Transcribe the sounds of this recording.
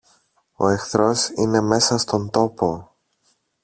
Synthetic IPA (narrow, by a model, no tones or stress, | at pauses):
o̞̰e̞xθɾo̞sine̞me̞sɐst̪o̞nt̪o̞po̞